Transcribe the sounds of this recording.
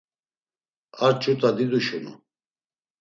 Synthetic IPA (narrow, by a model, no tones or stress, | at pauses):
aɾt͡ʃʼut̪ʼad̪id̪uʃunṵ